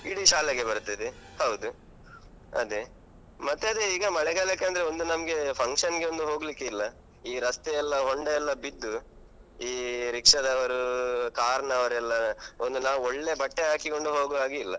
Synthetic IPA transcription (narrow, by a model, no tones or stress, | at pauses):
iɽiʃaːleɡebɐɾut̪ːɐd̪ehɐwd̪u | ɐ̰d̪e | mɐt̪ːeɐd̪eiːɡɐmɐɭɛɡaːlekːeɐnd̪ɐɾeo̞nd̪unɐmɐɡe̞pʰɐŋkʂɐnɡe̞ond̪uɦo̞ːɡlikːeilːɐ | iːɾɐst̪eɛlːɐɦoɳɖeɛlːɐbid̪ːu | iːɾikʂɐd̪ɐʋɐɾukaːɾɐɳɐːʋɐɾɛlːɐond̪unaːʋuoɭːe̞bɐʈːeɦaːkiko̞ɳɖuɦo̞ːɡuaːɡiilːɐ